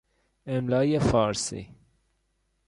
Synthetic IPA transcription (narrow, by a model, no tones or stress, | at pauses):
emlɒːjefɒːɾsḭ